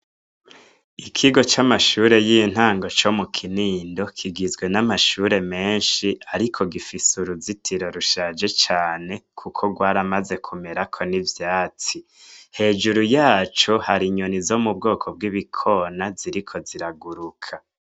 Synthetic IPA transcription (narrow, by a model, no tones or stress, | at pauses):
ikʰiɡo̞t͡ʃamaʃuːɾe̞jiːn̥haːŋɡo̞t͡ʃo̞mukʰiniːndo̞kʰiɡizɡwe̞namaʃuːɾe̞me̞ːnʃiaɾikʰo̞ɡifisuɾuzitʰiɾo̞ɾuʃaːd͡ʒe̞t͡ʃaːne̞kʰukʰo̞ɡwaːɾamaze̞kʰume̞ɾakʰo̞nivjaːt͡si | he̞ːd͡ʒuɾujaːt͡ʃo̞haɾiɲo̞nizo̞mub̚ɡo̞ːkʰob̚ɡiβikʰo̞naziɾikʰo̞ziɾaɡuɾukʰa